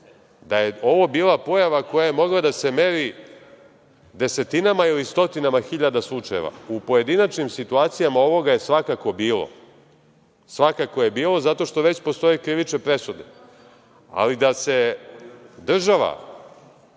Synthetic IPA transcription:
d̪aje̞o̞ʋo̞biːlapo̞jaʋako̞jaje̞mo̞ɡlˠad̪ase̞me̞ɾi | d̪e̞se̞t̪inamailist̪o̞t̪inamaxiʎad̪aslˠut͡ʃajeʋa̰upo̞je̞d̪inat͡ʃnimsit̪uaːt̪sijamao̞ʋo̞ɡaje̞sʋakako̞biːlo̰ | sʋakakoje̞biːlˠo̞zat̪o̞ʃt̪o̞ʋe̞t͡ɕpo̞st̪o̞jekɾiʋit͡ʃne̞pɾe̞sud̪e̞ | a̰lid̪ase̞ | d̪r̩ʒaʋa̰

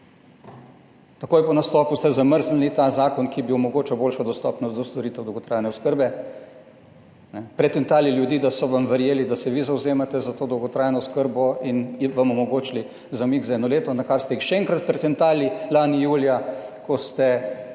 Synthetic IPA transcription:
t̪akoːjɛpɔnast̪ɔːpust̪ɛzaməɾzlnit̪azaːkɔnkibiɔmɔɡoːt͡ʃawboːlʃɔd̪ɔst̪ɔːpnɔsd̪ɔst̪ɔɾiːt̪ɛwd̪əwɡɔt̪ɾaːjnɛɔskəɾbɛ | nɛpɾɛt̪ɛnt̪aːliljud̪iːd̪asɔʋamʋəɾjeːlid̪asɛʋizawzeːmat̪ɛzat̪oːd̪ɐwɡɔt̪ɾaːjnɔskəɾbɔinʋamumɔɡoːt͡ʃli | zamikzaɛd̪nɔleːt̪ɔnakaɾst̪ɛixʃɛɛŋkɾat̪̚pɾɛt̪ɛnt̪aːlilaːnijuːljakɔst̪ɛ

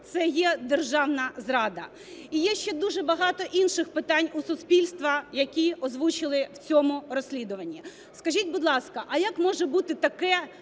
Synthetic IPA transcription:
t̪sɛjɛd̪erʒɑwnɐzɾɑd̪ɐ | ijɛʃt͡ʃɛd̪uʒɛbɐɦɑt̪ɔʔinʃɪxpɪt̪ɑnʲusʊspʲilʲst̪ʋɐjɐkʲiɔzʋut͡ʃɪlˠɪwt͡sʲɔmʊrɔsʲlʲid̪ʊʋɐnʲːi | skɐʒʲitʲbʊd̪lˠɑskɐʔɐjakmɔʒɛbut̪ɪt̪ɐkɛ

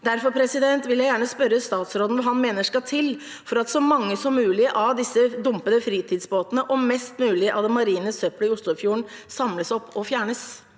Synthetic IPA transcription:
d̪æɾfɔɾpʰɾɛsɪd̪ɛnt̪ʋɪljæɪjæːɳəspœɾəst̪ɑːt̪sɾoːd̪n̩ʋɑɦɑnmeːnəʂkɑt̪ʰɪl | fɔɾɑt̪sɔmɑŋːəsɔmːʉːlɪəʔɑʋd̪ɪsːəd̪ʊmpəd̪əfɾiːt̪ʰɪd̪sboːt̪ənəʔɔmmɛst̪mʉːlɪəʔɑd̪ɛmɑɾiːnəsœpləɪʊslʊfjuːəɳsɑmləsɔpːɔfjæːɳəs

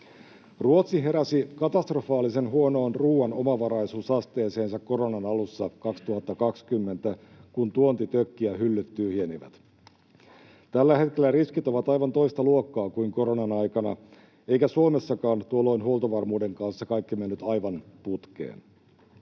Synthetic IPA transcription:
ruot̪siɦe̞ɾæsikɑt̪ɑst̪rofɑːlːise̞nɦuono̞ːnruːɑnomɑʋɑɾɑjsuːsɑst̪e̞ːse̞ːnsɑkko̞ɾonɑnɑlusːɑkɑkst̪uhɑt̪ːɑkɑkskymːent̪æ | kunt̪uont̪it̪økːiæɦylːyt̪ːyːhieniʋæ̰t̪ | t̪ælːæhe̞t̪kelːæriskit̪o̞ʋɑt̪ɑjʋɑnt̪o̞ist̪ɑluokːɑːkuiŋko̞ɾonɑnɑjkɑnɑ̰ | e̞jkæsuome̞sːɑkɑːnt̪uolːo̞inhuolt̪oʋɑrmuːde̞ŋkɑnsːɑkɑjkːimenːyt̪ɑjʋɑnput̪kḛːn

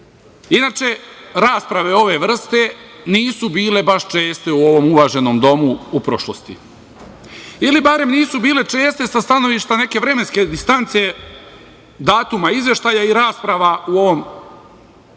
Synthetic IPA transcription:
inaːt͡ʃe̞ɾaːspɾaʋe̞o̞ʋe̞ʋr̩st̪e̞ | niːsubiːle̞baʃt͡ʃe̞ːst̪e̞uo̞ʋo̞muʋaːʒe̞no̞md̪o̞muupɾo̞ʃlost̪ḭ | ilibaɾe̞mniːsubiːle̞t͡ʃe̞ːst̪e̞sast̪ano̞ʋiʃt̪ane̞ke̞ʋɾe̞me̞nske̞d̪ist̪ant̪se | d̪aːt̪umaizje̞ʃt̪aːjaiɾaːspɾaʋauo̞ʋo̞m

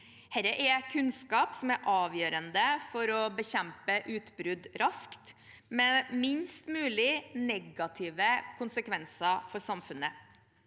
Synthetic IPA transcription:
hɛɾəʔɛkʰʉnskɑːpsɔmæɾʔɑːʋjøːɾənd̪əfɔɾɔbəçɛmpəʔʉːt̪bɾʉd̪ɾʔɑskt̪ | mɛmɪnst̪mʉːlɪnɛɡɑt̪ʰɪːʋəkʰʊnsəkʰʋɛnsəfɔɾsɑmfʉnə

